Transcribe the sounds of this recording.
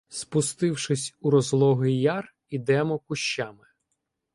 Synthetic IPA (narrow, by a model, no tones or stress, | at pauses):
spʊst̪ɪwʃɪsʲuɾɔzlˠɔɦɪjɑr | id̪ɛmɔkʊʃt͡ʃːamɪ